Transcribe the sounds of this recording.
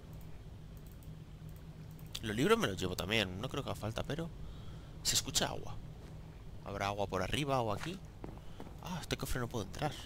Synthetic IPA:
lo̞liβɾo̞zme̞lo̞zʝe̞β̞o̞t̪amje̞nno̞kɾeokefalt̪ape̞ɾo̞ | se̞skut͡ʃaa̰ɣwa̰ | a̰βɾʔaaɣwapo̞ɾarʔiβ̞aoaki | a̰est̪e̞ko̞fɾe̞no̞pweðoent̪ɾaɾ

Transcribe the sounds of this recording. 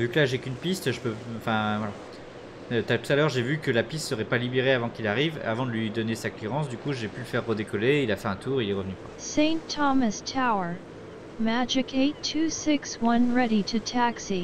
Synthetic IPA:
vykəlaʒekynpist̪ʒəpøɑ̃fɛ̃vwala | t̪at̪u̥t̪alœʁʒevykəlapist̪səʁɛpalibeʁeavɑ̃kilaʁiva̰vɑ̃d̪əlɥid̪ɔnesakleʁɑ̃sd̪ykuʒepyləfɛʁːəd̪ekɔleilafɛɛ̃t̪uʁilɛʁəvnykwasẽɪ̃ntʰɑmɨstʰaʊə˞ | mæd͡ʒɪkeɪtʰʉsɪkswʌ̃nɹɛɾiɾɨtʰæksi

